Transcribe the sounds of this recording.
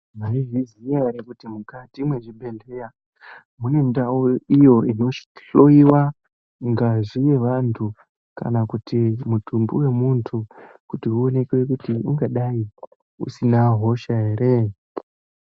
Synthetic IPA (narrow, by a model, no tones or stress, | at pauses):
maiʐizijaɾekutimukatimwe̞ʐibʱe̞ne̞ja | mune̞ndaoijo̞ʔino̞t͡ʃi̥ɬo̞iwa | ŋɡaʐije̞ʋantʰu | ka̰nakutʰimutʰumbuwe̞muntʰu | kutiuo̞ne̞kwe̞kutiuŋɡaɗai | ṵsinaɦo̞ʃae̞ɾe̞